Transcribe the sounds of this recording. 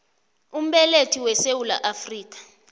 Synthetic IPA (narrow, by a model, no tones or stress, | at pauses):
um̩ɓɛletʰiwɛsewulaʔafriːk̬ʼḁ